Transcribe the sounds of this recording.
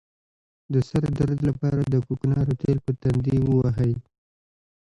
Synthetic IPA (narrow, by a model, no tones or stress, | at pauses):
d̪əsaɾd̪aɾd̪lapɑɾad̪əkuknɑɾot̪elpət̪and̪iwəwaɦəj